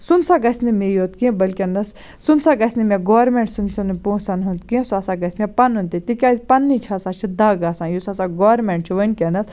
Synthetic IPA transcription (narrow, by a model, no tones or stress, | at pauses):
sunsaɡɐsʲnimejoːt̪kĩbɐlʲkʲenɐs | sunsaɡɐsʲnimʲeɡoːɾmẽɳʈsunsunipoːsanɦunt̪kiẽsasaɡɐsʲmʲepɐnunt̪it̪ikʲaːzʲpɐnːit͡ʃʰaːsaːt͡ʃʰid̪aɡasãːjusasaɡoɾmeɳʈ̚t͡ʃʰiʋɐnkʲenɐt̪ʰ